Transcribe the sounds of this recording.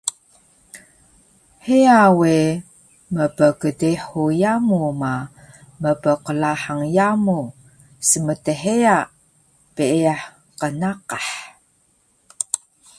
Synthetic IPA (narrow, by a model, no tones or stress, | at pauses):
heawe | məpəkədeħujamuma | məpəqəlaħaŋjamu | səmətəħeaʔ | piʔeaħ | qənaqaħ